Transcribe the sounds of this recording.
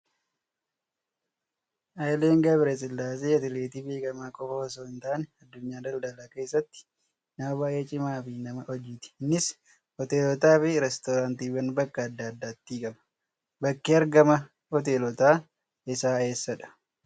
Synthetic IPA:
ʔɐjleːŋɡɐbɾɛsʼɪlːaːs̬eːɐt̪ɪleːt̪iːbe̞ːkʼɐmaːkʼɔfɐhɔsoːɪnt̪aːnɛɐd̪ːʊɲːaːd̪ɐld̪ɐlake̞ːsːɐt̪ːɪ̥ | nɐmɐbaːjʔe̞ːt͡ʃʼɪmaːfɪnɐmɐʔɔd͡ʒːɪt̪ɪ̥nːɪs | hɔt̪eːlɔt̪aːfɪɾɛst̪ɔɾaːnt̪iːwɐnbɐkːɐːd̪ːaːd̪ːaːt̪ːiːkʼɐmɐ̥ | bɐkːeːɐɾɡɐmɐ | hɔt̪̬eːlɔt̪aː | ɪsaːe̞ːsːɐᶑɐ̥

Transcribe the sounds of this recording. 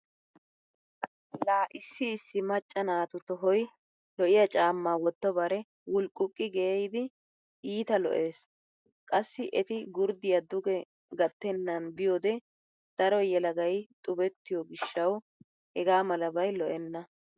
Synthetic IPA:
laːʔɪsːɪːsːɪmɐt͡ʃʼːɐnaːt̪ʊt̪ɔɦɔj | lɔʔɪjɐt͡ʃʼaːmːaːwɔt̪ːɔbɐɾɛ | wʊlkʼʊkʼːɪɡeːjd̪ɪ | ʔiːt̪ɐlɔ̰ʔe̞ːs | kʼɐsːɪʔɛt̪ɪɡʊɾd̪ɪjɐd̪ʊɡɛ | ɡɐt̪ːɛnːɐnbɪjoːd̪ɛ | d̪̥ɐɾɔjɛlɐɡɐjt̪ʼʊbɛt̪ːɪjɔɡɪʃːɐw | hɛɡaːmɐlɐbɐjlɔʔɛnːɐ

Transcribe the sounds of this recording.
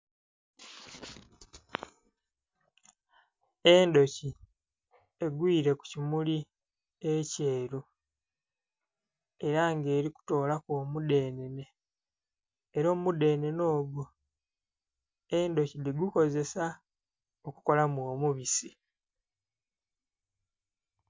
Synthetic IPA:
e̞ndo̞ci | eɡwiːɾe̞ku̥cimuli | ece̞ːɾu | e̞ɾaŋɡe̞ːɾiku̥to̞ːlakomude̞ːnene̞ | ɾoːmumude̞ːne̞no̞ːɡu | endo̞ciliɡuko̞ze̞sa | oku̥ko̞lamwoːmuβisi

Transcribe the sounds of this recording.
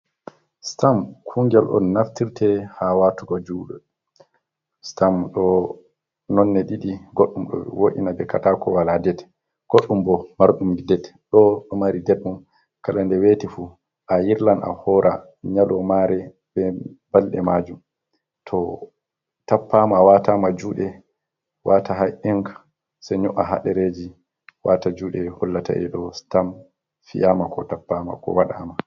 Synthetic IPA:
stamkʰuŋɡɛlʔɔ̰nːaftiɾtʰɛhawatuɡɔd͡ʒuːɗɔ | stamɗɔ | nɔnːɛɗiɗiɡoɗːumɗɔ̰woʔḭnabɛkatakɔwaladɛt | ɡ̥oɗːumbɔmaɾɗumɡidɛtɗɔɗɔmaɾidɛɗɗum | kalandɛwetifu | ʔajiɾlanʔa̰hɔɾʔa | ɲalɔmaɾɛ | bɛbalɗɛmaːd͡ʒum | tʰɔ | tapːamawatamad͡ʒuːɗɛ | wataɦajʔɛŋk | saɲɔʔaɦa̰ɗɛɾed͡ʒi | watad͡ʒuːɗɛhɔlːata̰ʔɛ̰ɗɔstam | fḭʔamakɔtapːaːma̰kɔ̰waɗa̰ma

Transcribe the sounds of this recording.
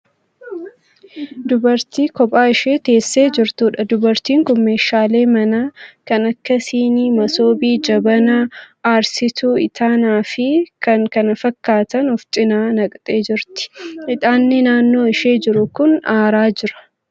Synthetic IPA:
d̪ʊbɐɾt̪iːkɔpʼaːɪʃe̞ːt̪e̞ːsːe̞ːd͡ʒɪɾt̪uːᶑɐd̪ʊbɐɾt̪iːŋkʊmːe̞ːʃaːleːmɐnaːkɐnɐkːɐsiːniːmɐso̞ːbiːd͡ʒɐbɐnɐ | aːɾsɪt̪uːɪt̪ʰaːnaːfɪkɐŋkɐnɐfɐkːaːt̪ɐnɔft̪ʼɪnaːnɐkʼt̪ʼe̞ːd͡ʒɪɾt̪ɪ̥ɪᶑ̪ʼaːnːɪnaːnːo̞ːɪʃe̞ːd͡ʒɪɾʊkʊnaːɾaːd͡ʒɪɾɐ̥

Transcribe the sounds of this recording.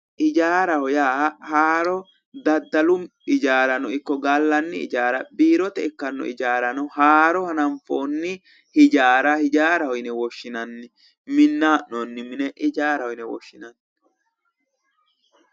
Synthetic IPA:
ʔɪd͡ʒaːɾɐhɔjaːhaːɾɔ | d̪ɐd̪ːɐlʊm | ɪd͡ʒaːɾɐnɔɪkːɔɡɐlːɐnːɪɪ̰d͡ʒaːɾɐbiːɾɔt̪ɛɪkːɐnːɔ̰ɪd͡ʒaːɾɐnɔhaːɾɔhɐnɐmfoːnːɪ | hɪd͡ʒaːɾɐhɪd͡ʒaːɾɐhɔjnɛwɔʃːɪnɐnːɛ | mɪnːaːʔnɔnːɪmɪnɛʔɪd͡ʒaːɾɐhɔjnɛwɔ̰ʃːɪnɐnː

